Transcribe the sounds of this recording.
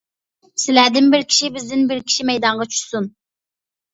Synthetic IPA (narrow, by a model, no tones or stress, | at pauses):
sɪlæd̪ɪnbɪɾkʲʰi̥ʃibɪzd̪ɪnbɪɾkʲʰi̥ʃimɛjd̪ɑɴʁɑt͡ʃʰy̥ʃsun